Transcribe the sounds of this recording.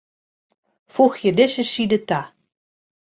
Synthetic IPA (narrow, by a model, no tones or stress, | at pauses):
fuxjədɪsəsidəta